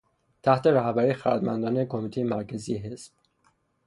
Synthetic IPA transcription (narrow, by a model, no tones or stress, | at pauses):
t̪ʰæht̪ʰe̞ɾæhbæɾixæɾd̪mæ̰nd̪ɒːnekʰomit̪ʰejemæɾcʰæzijeɦe̞sb̥̚